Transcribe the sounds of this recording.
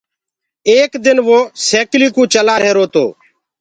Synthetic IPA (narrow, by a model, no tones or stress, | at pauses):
eːkd̪ɪnʋoːseːkliːkũːt͡ʃəlaːɾeːɾoːt̪o̰ː